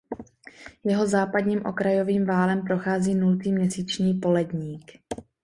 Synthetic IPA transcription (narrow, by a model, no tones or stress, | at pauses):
jɛɦo̞zaːpadɲiːmʔo̞̰kɾajo̞viːmvaːlɛmpɾo̞xaːziːnult̪iːmɲɛsiːt͡ʃɲiːpo̞lɛdɲiːk